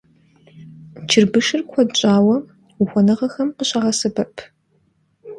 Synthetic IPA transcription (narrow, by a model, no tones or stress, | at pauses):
t͡ʃʰɪrbɨʂɨrkʷʰɔt͡ʃʼaːwɐ | uxʷɔnɐʁɐxɐmqəɕʼɐʁɐsɨbɐpʰ